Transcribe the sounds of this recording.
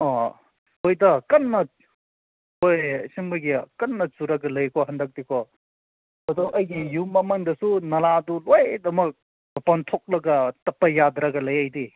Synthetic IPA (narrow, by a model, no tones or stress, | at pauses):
ɔ | ojdɐkɐnːɐ | ojsiŋbɐɡikɐnːɐt͡ʃuɾɐɡɐlɐjkʰɔɦɐndɐk̚dikʰɔ | ɐduʔɐjɡijumɐmɐŋdɐsunɐladulojdɐmɐk̚ | bɐpɐnt̪ʰok̚lɐɡɐtɐpɐjad̪ɾɐɡɐlɐjɐjdi